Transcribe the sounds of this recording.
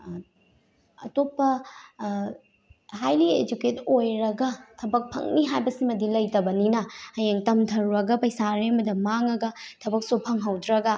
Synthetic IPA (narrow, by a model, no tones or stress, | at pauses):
ɐ̰topːɐ | ɦajlied͡ʒuketojɾɐɡɐtʰɐbɐk̚pʰɐ̰ŋniɦajbɐsimɐdilɐjtɐbɐninɐhɐjeŋtɐmtʰɐɾɾɐɡɐpɐjsaɾeɐmɐdɐmaŋɐɡɐtʰɐbɐk̚supʰɐŋɦɐwdɾɐɡɐ